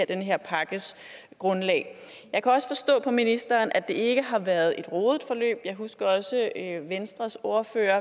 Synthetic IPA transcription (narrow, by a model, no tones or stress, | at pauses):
ɐd̥enəɦeɐ̰pʰɑ̈ɡ̥əs | ɡ̥ʁɔ̽nlɛ̰ː | jɑ̈ɪkʰæɒ̽sə̥fɒ̽sd̥ɔ̰̽ːpʰɒ̽minisd̥ɐːnʔæd̥e̝e̝ɡ̥əɦɑ̈ʋæɐð̞̩ˠe̝d̥ʁoːðˠd̥fɒ̽lø̰ːb̥jɑ̈ɪɦusɡ̥ɐɒ̽səøʋensd̥ʁɐso̝ɐfø̰ːɐ